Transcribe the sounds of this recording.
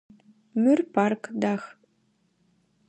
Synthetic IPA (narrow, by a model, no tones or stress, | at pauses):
mʉrparkd̪ax